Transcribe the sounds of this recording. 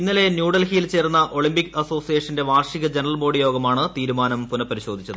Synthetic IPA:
inːile̞njuːɖɐlhijilt͡ɕe̞ːrnːɐʔo̞ɭimbikːɐso̞ːsijeːʂɐnde̞ʋaːrʂiɣɐd͡ʑenɐrɐlbo̞ːɽijo̞ːɡɐmaːɳɨt̪iːɾumaːnɐmpunɐpːɐɾiɕo̞ːd̪ʱit͡ɕːɐðɨ

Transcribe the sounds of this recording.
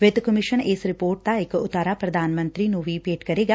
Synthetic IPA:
ʋet̪kɐmɪʃənesɾɪpoːɾʈ̚t̪aɪkːʊt̪ːəɾapɾɐd̪ʱaːnmɐ̃nt̪ɾinũʋiːpeːʈkɐɾeːɡa

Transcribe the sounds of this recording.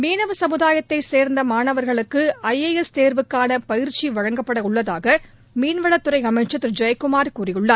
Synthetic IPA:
meːnɐʋɐsɐmɯðaːjɐt̪ːɐɪseːɾnd̪ɐmaːnɐʋɐɾɣɐɭɯkːɯɐjeɛst̪eːɾʋɯkːaːnɐpɐjɪɾt͡ʃiʋɐɻɐŋɡɐpːɐɽɐʊɭːɐðaːɣɐ | miːnʋɐɭɐt̪ːɯɾɐɪɐmɐɪʈt͡ʃɐt̪ːɪɾd͡ʒɐjkʊmaːɾkuːrɪjɯɭːɐɾ

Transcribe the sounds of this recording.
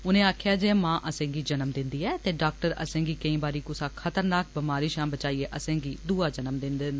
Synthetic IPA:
ʊnẽːaːkʰjaːd͡ʒeːmãːʔəsẽːɡiːd͡ʒənəmd̪ɪnd̪iːɛːt̪eːɖaːk̚ʈəɾə̰sẽːɡiːkəĩːbaːɾiːkʊsaːkʰət̪əɾnaːk̚bɪmaːɾiːʃãːmbət͡ʃaːiːeːʔəsẽːɡiːd̪uːaːd͡ʒənəmd̪ɪnd̪end̪ː

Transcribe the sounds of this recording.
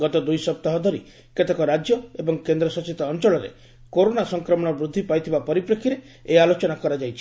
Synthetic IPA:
ɡɔt̪ɔd̪ujsɔp̚t̪aɦɔd̪ʱɔɾḭ | ket̪ekɔɾad͡ʒjɔebɔŋkend̪ɾɔsɔt͡ʃit̪ɔːnt͡ʃɔɭɔɾḛ | koɾonasɔŋkɾɔmɔɽ̃ɔbɾud̪ʱːipajt̪ʰibapɔɾipɾɔkʰiɾe | ealot͡ʃɔnakɔɾad͡ʒajt͡ʃʰi̥

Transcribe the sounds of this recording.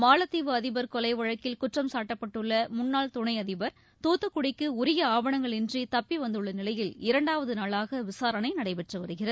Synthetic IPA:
maːlɐt̪ːiːʋɯɐðɪbɐɾkɔlɐɪʋɐɻɐkːɪlkʊʈrɐmsaːʈːɐpːɐʈːɯɭːɐmʊnːaːɭt̪ʊɳɐɪɐðɪbɐɾ | t̪uːt̪ːɐkːʊɽɪkːɯʊɾɪjɐaːʋɐɳɐŋɡɐɭɪndrit̪ɐpːiʋɐnd̪ɯɭːɐnɪlɐjɪlɪɾɐɳɖaːʋɐðɯnaːɭaːɣɐʋɪsaːɾɐnɐɪnɐɽɐɪpɛʈrɐʋɐɾɯɣɪrɐðɯ

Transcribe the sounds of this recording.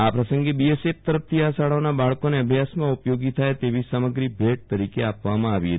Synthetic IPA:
apɾəsəŋɡebiesep̚t̪əɾəp̚t̪ʰiasaɭanabaɭkoneəbʱjasmãupjoɡit̪ʰajt̪eʋisaməɡɾibʱeʈ̚t̪əɾikeapʋamãaʋiɦə

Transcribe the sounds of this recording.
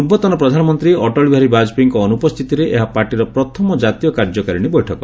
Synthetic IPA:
ubɔt̪ɔnɔpɾɔd̪ʱanɔmɔnt̪ɾiɔʈɔɭbʱaɾibad͡ʒpiŋkɔːnupɔst̪ʰit̪iɾeʔeɦapaɾʈiɾɔpɾɔt̪ʰɔmɔd͡ʒat̪ijɔkaɾd͡ʒɔkaɾiɽ̃ibɔjʈʰɔkɔ

